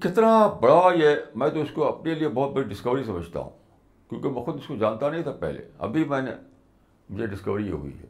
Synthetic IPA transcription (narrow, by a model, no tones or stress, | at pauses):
kɪt̪nabɐɽaɛːmɛ̃ːt̪oɪskoɐpneliebɔːt̪̚bɐɽiɖɪskəʋɾisɐməd͡ʒʱt̪a̰ɦṵ̃ː | kjõːkemɛ̃ːxʊd̪ɪskod͡ʒaːnt̪anɐɦĩt̪ʰapɛ̰ɦlḛɐ̰bʱimɛ̃ːne | mʊd͡ʒʱeɖɪskəʋɾiḛɦʊ̰ḭɦɛ̰ː